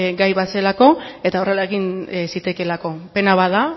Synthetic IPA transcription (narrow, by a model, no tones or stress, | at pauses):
ɡajβase̞lako̞e̞t̪ao̞re̞laeɣinsit̪e̞ke̞lako̞pe̞naβaða